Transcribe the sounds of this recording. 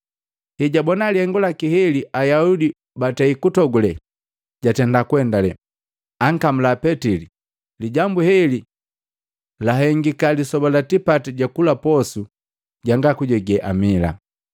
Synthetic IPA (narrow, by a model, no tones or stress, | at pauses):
hiɟabɔnalihɛŋɡulakihɛliʔajaudi | batɛikutɔɡulɛ | ɟ̥atɛndakuwɛndalɛ | aŋkam̩lapɛtili | liɟambuhɛli | laɦɛŋɡikalisɔbalatipatiɟakulapɔsu | ɟaŋɡakuɟɔɡɛʔamila̰